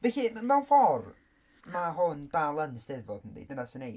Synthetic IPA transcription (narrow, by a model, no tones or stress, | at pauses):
vɛçimmawnfɔr | maɦʊndalˠənsd̥ɛðvɔd̥əndḭdənasənej